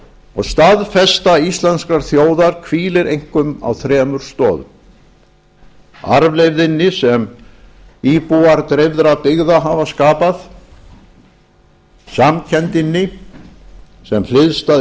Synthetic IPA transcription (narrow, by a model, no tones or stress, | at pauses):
ɔɣst̪aðfɛst̪aist̪lanskaɾ̥θjoːwðaɾ̥kʰviːlɪɾʔejŋ̥kʏma̰wθɾɛːmʏɾ̥st̪ɔ̰ːðʏ | a̰ɾvlejvðɪnːɪsɛm | iːpuaɾt̪ɾɪvðɾaðpɪɣðaɦavaskaːpað | samcʰɛnt̪ɪnːɪ | sɛml̥ɪðst̪a